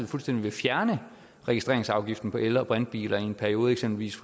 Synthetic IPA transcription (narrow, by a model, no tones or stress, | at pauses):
ð̩ˠfulsd̥en̰d̥iʋe̝fjæɐnə | ʁɛɡisd̥ʁeɐeŋsɑ̈ʊɡ̥ifd̥n̩pʰɒ̽ʔelɐb̥ʁand̥̚b̥ḭːlɐienpʰæɐio̝ːð̞̩ˠeɡ̥semb̥l̩ʋḭːsf